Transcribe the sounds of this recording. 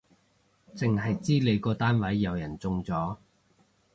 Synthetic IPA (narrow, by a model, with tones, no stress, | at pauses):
t͡sɪ˨ŋɦɐ˨jt͡siː˥le˨˧jkɔː˧t̪aː˥nwɐ˨˥jːɐ˨˧wjɐ˨˩nt͡sʊ˧ŋt͡sɔː˨˥